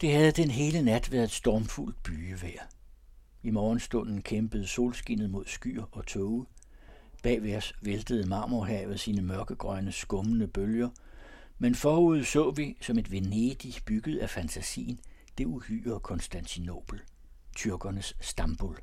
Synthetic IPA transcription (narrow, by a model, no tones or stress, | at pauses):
d̥e̝hæð̞ˠd̥enɦe̝ːlənæd̥ʋæːɐðˠed̥sd̥ɒːmful̰d̥̚b̥yːəʋæɐ̰ | imɒːnsd̥ɔ̽n̰n̩kʰemb̥əð̞̩ˠso̝̰ːlsɡ̥enð̩ˠmo̝ð̞̰ˠsɡ̥y̰ːɐɒ̽t͡sʰɔʊə | b̥ɛ̰ːʋeɐsʋeld̥əð̞̩ˠmɑ̈ːmoɦɛ̰ʊð̩ˠsiːnəmɶɐɡ̥əɡ̥ʁɶnəsɡ̥ɔ̽mənəb̥øljɐ | menfɒːuð̞̩̰ˠsɔ̰̽ːʋisɒ̽me̝d̥ʋe̝ne̝d̥ib̥yɡ̥ð̞̩ˠæfænt͡sʰæsḭːn̩ | d̥e̝uly̰ːɐkʰɔ̽nsd̥ænt͡sʰino̝̰ːb̥l̩ | t͡sʰyɐɡ̥ɐnəsːd̥ɑmb̥ol